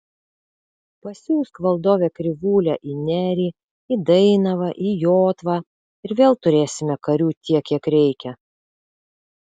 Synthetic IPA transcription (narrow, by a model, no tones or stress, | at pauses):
pɐsʲuːskʋɐlˠd̪oːʋʲɛkɾʲɪʋuːlʲɛːʔinʲæːɾʲiː | ɪd̪ɐɪnɐʋɐʔijoːt̪ʋɑː | ɪɾʋʲeːlˠt̪ʊɾʲeːsʲɪmʲɛkɐɾʲuːt̪ʲiɛkʲiɛkɾʲɛɪkʲɛ